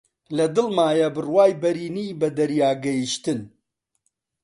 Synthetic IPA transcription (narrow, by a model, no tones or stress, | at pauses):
lɐd̪ɨlmaːjɐbɨrwaːjbɐɾiːnibɐd̪ɐɾjaːɡɐjiʃt̪ɨn